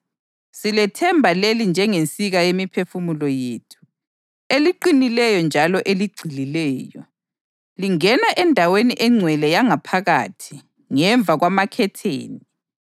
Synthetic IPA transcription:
silɛtʰɛmbʱalelind͡ʒʱɛŋent͡sʼiɣajemipʰefumulɔjeːtʰu̥ | eliǃinilɛjɔnd͡ʒʱalɔʔeliɡ͡ǀʱililɛːjɔ | liŋɛnaʔɛndʱaweniʔɛŋ͡ǀʱwɛlɛjaŋapʰaɣa̰ːtʰi̥ | ŋɛɱb̪vʱaɣwamakʰɛtʰḛːni

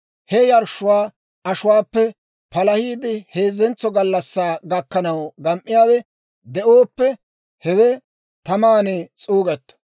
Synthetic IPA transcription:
hɛjɐɾʃʊwaː | ɐʃʊwaːpːɛ | pɐlɐhiːd̪ɪhe̞ːzɛnt͡sːɔɡɐlːɐsːaːɡɐkːɐnɐwɡɐmʔːɪjaːwɛ | d̪ɛʔoːpːɛ | hɛwɛ | t̪ɐmaːnet͡sʼuːɡɛt̪ːɐ̥

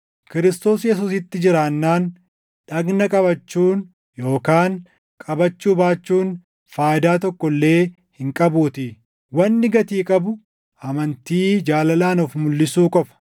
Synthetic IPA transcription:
kɪɾɪst̪o̞ːsjɛsuːsɪt̪ːɪd͡ʒɪɾaːnːaːn | ᶑɐɡnɐkʼɐbɐt͡ʃːuːn | jo̞ːkaːŋ | kʼɐbɐt͡ʃːuːbaːt͡ʃːuːn | faːjɪd̪aːt̪ɔkːɔlːe̞ː | hɪŋkʼɐbuːt̪ɪ | wɐnːɪɡɐt̪iːkʼɐbʊ | ʔɐmɐnt̪iːd͡ʒaːlɐlaːnɔfmʊlːɪsuːkʼɔfɐ̥

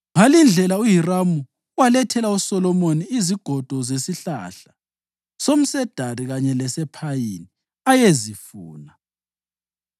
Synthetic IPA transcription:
ŋalind͡ɮʱɛlaujiramu | walɛtʰɛlausɔlɔmoniiziɡ̥ʱɔd̥ʱɔzesiɬa̰ɬa | som̩sɛd̥ʱaɾiɣaɲɛlɛsɛpʰajini | ajezifuːna

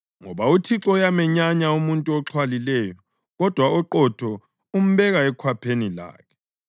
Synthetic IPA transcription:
ŋɔβautʰiǁɔjamɛɲaɲaumuntʼuɔǁʰwalilɛjɔ | ɣɔd̥ʱwaɔǃɔtʰɔ | um̩βɛɣaɛkʰwapʰenila̰ːkʰɛ̥

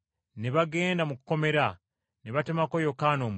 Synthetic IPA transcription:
neβaɡe̞ːndamukuko̞me̞ɾa | neβatemako̞jo̞kaːnoːm

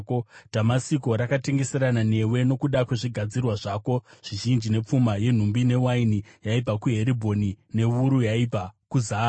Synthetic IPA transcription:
kod̥ʱamasiko̞ɾakate̞ŋɡe̞se̞ɾanane̞we̞no̞kuɗakwe̞ʐiɡʱad͡zirwaʐaːko̞ʐ̥iʒind͡ʒine̞p͡fumaje̞n̤umbine̞wainijaipakuɦe̞ɾibʱo̞nine̞ʋuɾujaipakuzaː

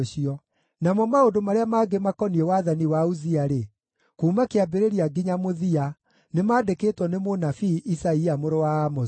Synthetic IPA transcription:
ɕiɔ | namɔmaondomaɾeamaɡemakɔniɛwaðaniwauziaɾe | kuːmakeabeɾeɾiaɡiɲamoðia | nemaːdeketwɔnemonafiʔisaiamoɾowaːmɔ

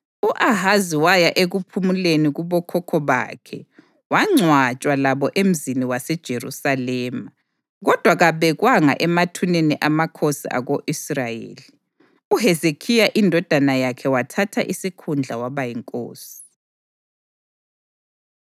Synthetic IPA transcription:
uʔaɦaziwajaʔeɣupʰumuleniɣuβɔkʰɔkʰɔβa̰kʰɛ | waŋ͡ǀʱwat͡ʃʼwalaβɔʔem̩ziniwasɛd̥ʒ̥ʱerṵsalɛːma | ɣɔd̥ʱwaɣaβɛɣwaŋa̰ʔɛmatʰuneniʔamakʰosḭʔa̰ɣoʔisrajḛːli | uɦezekʰijaʔindʱɔd̥ʱanajakʰɛwatʰatʰa̰ʔisikʰund͡ɮʱawaβajiŋkʼo̰ːsi̥

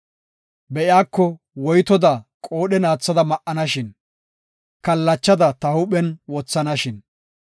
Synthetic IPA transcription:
bɛʔɪaːkːɔ | wɔjt̪ɔd̪akʼoːɗɛnaːt͡sːɐd̪ɐmɐʔʔɐnɐʃɪn | kɐlːɐt͡ʃːɐd̪ɐt̪ɐhʊɓɛnwɔt͡sːɐnɐʃɪn

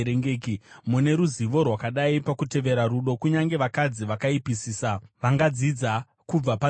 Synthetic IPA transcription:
ɾeŋɡeːkimune̞ɾuziʋo̞rwakaɗaipakute̞ʋe̞ɾaɾuɗo̞kuɲaŋɡe̞ʋakad͡ziʋakaipisiːsaʋaŋɡad͡zid͡za | kub͡vapa

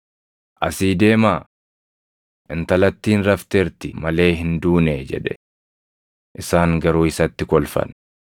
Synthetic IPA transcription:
ʔɐsiːd̪e̞ːmaː | ʔɪnt̪ɐlɐt̪ːiːnɾɐft̪ɛɾt̪ɪmɐle̞ːɦɪnd̪uːneːd͡ʒɛ̰ᶑɛ | ʔɪsaːŋɡɐɾuːɪsɐt̪ːɪkɔlfɐ̰n

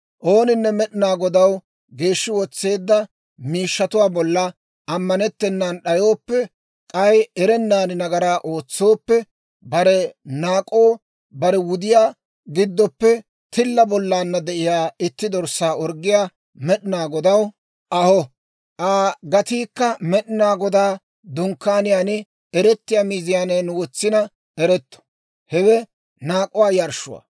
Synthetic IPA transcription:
ʔo̞ːnɪnːɛmɛɗɪnaːɡɔd̪ɐw | ɡe̞ːʃːɪwɔt͡sːe̞ːd̪ːɐ | miːʃːɐt̪ʊwaːbɔlːɐ | ʔɐmːɐnɛt̪ːɛnːanɗɐjo̞ːpːɛ | kʼɐjɛɾɛnːaːnɪnɐɡɐɾaːʔoːt͡sːo̞ːpːɛ | bɐɾɛnaːkʼo̞ː | bɐɾɛwʊd̪ɪjaː | ɡɪd̪ːɔpːɛ | t̪ɪlːɐbɔlːaːnːɐd̪ɛʔɪjaːɪt̪ːɪd̪ɔɾsːaːɔɾɡɪjaː | mɛɗɪnaːɡɔd̪ɐw | ʔɐhɔ | ʔaːɡɐt̪iːkːɐmɛɗɪnaːɡɔd̪aː | d̪ʊŋkːaːnɪjaːnɪ | ɛɾɛt̪ːɪjaːmiːzɪjaːnɛːnʊwɔt͡sːɪnɐ | ɛɾɛt̪ːɔ̥ | hɛwɛ | naːkʼʊwaːjɐɾʃʊ̰wa̰ː

